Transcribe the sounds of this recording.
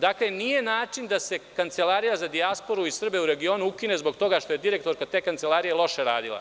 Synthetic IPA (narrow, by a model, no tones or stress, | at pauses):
d̪akle̞nije̞naːt͡ʃind̪ase̞kant̪se̞laːɾijazad̪iaspo̞ɾuisr̩be̞uɾe̞ɡio̞ːnuukine̞zbo̞ɡt̪o̞ɡaʃt̪o̞jed̪iɾe̞k̚t̪o̞ɾkat̪eːkant̪se̞lˠaːɾije̞lˠo̞ʃe̞ɾaːd̪ilˠa̰